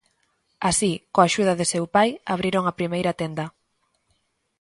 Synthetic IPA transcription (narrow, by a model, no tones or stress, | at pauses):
asikoaʃuð̞ɐðɪsewpajaβ̞ɾiɾoŋapɾimejɾat̪end̪ɐ